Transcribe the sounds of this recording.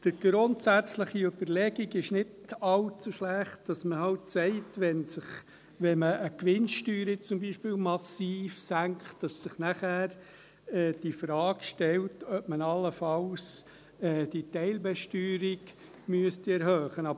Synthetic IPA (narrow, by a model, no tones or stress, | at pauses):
d̥əɾɡ̥ɾʊntsæt͡sləχiøbəɾlɛɡiɡɪʃnɪdɑlt͡suʃlæχt̚d̥ɑsməhɑwtsɛɪtʋɛnsɪχ | ʋɛnməʔːkʋɪnʃtyːɾit͡sʊmbiːʃpɪːlmɑsiːfsæŋkχtd̥ɑsːɪχnæχæːɾ | ɛːd̥ifɾɑːɡʃtɛltœpmənɑlːəfɑls | ɛːd̥itɛɪlbɛʃtyːɾiɡ | myəstiɛɾhøːχənɑb